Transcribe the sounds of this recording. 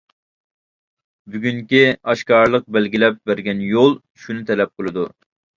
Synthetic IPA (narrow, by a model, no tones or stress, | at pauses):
byɡʲyŋkʲiɑʃkɑɾlˠəq̚bɛlɡʲilɛp̚bæɾɡʲɛnjolˠ | ʃunɨt̪ʰɛlɛp̚qʰəlˠɨd̪u